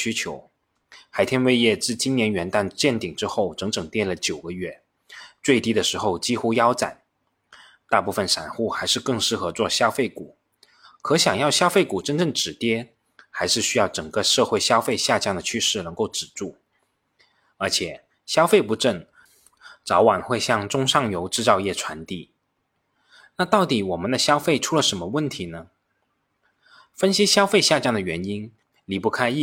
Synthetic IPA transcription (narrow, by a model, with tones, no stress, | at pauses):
y˥t͡ɕʰjo˧˥ʊ | xa˧˥ɪt̪ʰjɛ˥nwe˥˧ɪjɛ˥˧t͡sɹ̩˥˩t͡ɕi˥nnjɛ˧˥nɥɛ˧˥nt̪a˥˧nt͡ɕjɛ˥˩nt̪i˨˩ŋʈ͡ʂɻ̩˥xo˥˩ʊʈ͡ʂɤ˧˥ŋʈ͡ʂɤ˨˩ŋt̪jɛ˥˩lə˩t͡ɕjo˨˩ʊɡə˧˦ɥɛ˥˩ | t͡swe˥˩ɪt̪i˥d̪ə˨ʂɻ̩˧˥xo˥˧ʊt͡ɕi˥xu˥jɑ˥ʊt͡sa̰˨˩˦n | t̪a˥˧pu˥˩fə˨˩nʂa̰˨˩nxu˥˩xa˧˥ɪʂɻ̩˥˧kɤ˥˧ŋʂɻ̩˥˩xɤ˧˥t͡swɔ˥˩ɕjɑ˥ʊfe˥˩ɪku˨˩˦ | kʰɤ˧˥ɕjɑ˨˩ŋjɑ˥˩ʊɕjɑ˥fe˥˩ɪku˨˩ʈ͡ʂə˥nʈ͡ʂɤ˥˩ŋʈ͡ʂɻ̩˨˩t̪jɛ˥ | xa˧˥ɪʂɻ̩˥˩ɕy˥jɑ˥˩ʊʈ͡ʂɤ˨˩ŋkə˧ʂɤ˥˧xwe˥˧ɪɕjɑ˥ʊfe˥˧ɪɕja˥˧t͡ɕjɑ˥ŋd̪ə˨˩t͡ɕʰy˥ʂɻ̩˥˩nɤ˧˥ŋko˥˩ʊʈ͡ʂɻ̩˨˩ʈ͡ʂu˥˩ | ə˞˧˥t͡ɕʰjɛ˨˩˦ | ɕjɑ˥ʊfe˥˩ɪpu˧˥ʈ͡ʂə˥˩ŋ | t͡sɑ˧˥ʊwa˨˩nxwe˥˧ɪɕjɑ˥˩ŋʈ͡ʂʊ˥ŋʂɑ˥˩ŋjo˧˥ʊʈ͡ʂɻ̩˥˧t͡sɑ˥˧ʊjɛ˥˩ʈ͡ʂʰwa˧˥nt̪i˥˩ | na˥˧t̪ɑ˥˩ʊt̪i˨˩wɔ˨˩mə˦nd̪ə˧ɕjɑ˥ʊfe˥˩ɪʈ͡ʂʰu˥lə˨ʂə˧˥nmə˧wə˥˩nt̪ʰi˧˥nə˧ | fə˥nɕi˥ɕjɑ˥ʊfe˥˧ɪɕja˥˧t͡ɕjɑ˥˩ŋd̪ə˩ɥɛ˧˥ni˥n | li˧˥pu˥˩kʰa˥ɪ˥˧